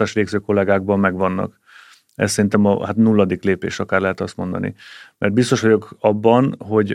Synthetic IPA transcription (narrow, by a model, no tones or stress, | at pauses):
aːʃʋeːɡzøːko̞lːɛɡaːɡ̚bɒmːɛɡʋɒnːɒ̰k | ɛ̰ssɛɾint̪ɛmɒ̰hat̪nulːɒd̪ikleːpḛːʃɒkaːrɾlɛɦɛt̪ɒst̪mo̞nd̪ɒ̰nḭmʔɛrd̪bist̪o̞ʃʋɒɟo̞kɒbːɒnɦo̞ɟ